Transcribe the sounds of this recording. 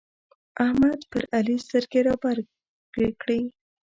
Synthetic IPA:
ʔahmad̪pəɾalist̪əɾkeɾɑbaɾ | ɡ̥ekɽi

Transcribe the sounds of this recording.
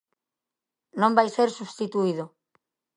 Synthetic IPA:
nõmbajseɾsuβst̪it̪uið̞ʊ

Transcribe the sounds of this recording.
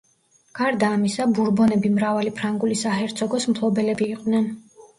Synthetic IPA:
ɡ̥aɾd̪aːmisabuɾbɔnɛbimɾavalipʰɾaŋɡulisaɦɛɾt̪sʰɔɡɔsmpʰlˠɔbɛlɛbiːqʼnɛn

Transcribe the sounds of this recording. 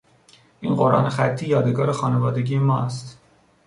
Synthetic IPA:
ʔḭːnɢoɾʔɒ̰ːne̞xæt̪ʰːiːjɒːd̪e̞ɡɒːɾexɒːnevɒːd̪e̞ɟiːjemɒːæst̪

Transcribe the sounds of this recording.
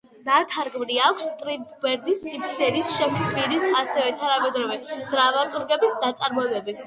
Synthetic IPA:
d̪̥at̪ʰaɾɡmɾiakʷʰst̪ʼɾibbɛɾd̪isipsɛɾisʃɛkʰsk̪ʼviɾisasɛvɛt̪ʰanamɛd̪ɾɔvɛd̪̥ɾavat̪ʼuɾɡɛbisd̪at̪sʼaɾmɔɛbɛbi

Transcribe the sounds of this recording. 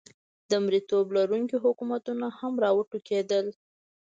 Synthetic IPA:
d̪əmɾit̪oblaɾuŋkiɦʊkumat̪unahamɾɑwəʈuked̪əl

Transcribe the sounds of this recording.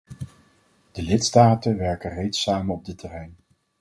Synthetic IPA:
d̥əlɪtstaːtənʋɛɹkərejtsaːmənɔb̚dɪtɛrɛjn

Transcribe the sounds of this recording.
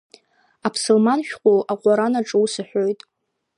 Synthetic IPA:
apʰsɨlmanʃᶣqʷʼolaqʷʼaɾanaʈ͡ʂʼusɨħʷᶣojtʼ

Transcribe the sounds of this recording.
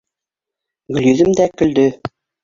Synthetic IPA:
ɡɵ̆ljɵ̆ðɘmd̪ækɵ̆ld̪ɵ

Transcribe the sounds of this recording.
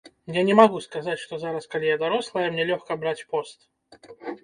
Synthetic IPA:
janʲɛmaɣuskazat͡sʲʂt̪ɔzaɾɐskalʲijad̪aɾɔslˠɐjɐmnʲɛlʲɔxkɐbɾat͡sʲpɔst̪

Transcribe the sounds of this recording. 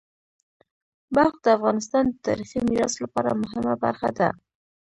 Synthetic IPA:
baxd̪əafɣɑnɪst̪ɑnd̪ət̪ɑ̰ɾiximiɾɑslapɑɾamʊɦɪmaba̰ɾxad̪a̰

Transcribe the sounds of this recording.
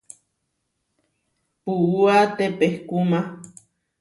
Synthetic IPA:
puuat̪epehkuma

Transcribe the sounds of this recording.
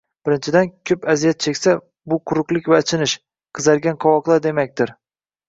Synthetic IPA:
b̥ɪɾɪnt͡ʃʰɪd̪ankʲʰɵpazijat̪̚t͡ʃʰekʲsa | bʊqʰʊɾʊqlˠɪkʲvaːt͡ʃʰɪnɪʃ | qʰɨzaɾɡʲanqʰɒwɒqlˠaɾd̪e̞makʲt̪ɪɾ

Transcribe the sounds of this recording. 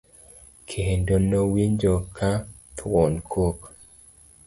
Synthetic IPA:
kʰendonowiɲd͡ʒokʰat̪ʰɔnkʰok

